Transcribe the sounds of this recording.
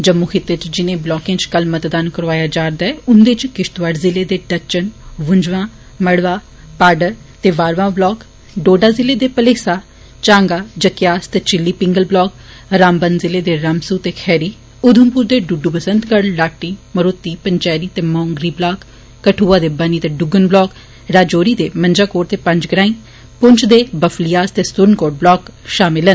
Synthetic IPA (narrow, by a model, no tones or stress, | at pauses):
d͡ʒəmːuːkʰɪt̪ːet͡ʃd͡ʒɪnẽːblɔːkẽːt͡ʃkəlmət̪d̪aːnkəɾʋaːjaːd͡ʒaːɾd̪aɛʊnd̪et͡ʃkɪʃt̪ʋaɖzɪleːd̪eːɖət͡ʃənʋʊɲd͡ʒʋãː | məɽʋaː | paːɖəɾ | t̪eːʋaːɾʋãːblɔːk | ɖoːɖaːzɪleːd̪eːpəleːsaː | t͡ʃãːŋɡaːd͡ʒəkjaːst̪eːt͡ʃɪlːiːpɪ̃ŋɡəlblɔːk | ɾaːmbənzɪleːd̪eːɾamsuːt̪eːkʰɛːɾiː | ʊd̪ʱəmpuɾd̪eːɖʊɖuːpəsənt̪ɡəɽlaːʈiːməɾʊt̪ːiːpəɲt͡ʃɛːɾiːt̪eːmɔ̃ːŋɡɾiːblaːkː | əʈʰuːaːd̪eːbəniːt̪eːɖʊɡənblɔːk | ɾaːd͡ʒoːɾiːd̪eːməɲd͡ʒaːkoːʈt̪eːpə̃ɲd͡ʒɡɾaːĩː | pʊɲt͡ʃʰd̪eːbəfʰlijaːst̪eːsʊɾnkoːʈ̚blɔːkʃaːmɪlən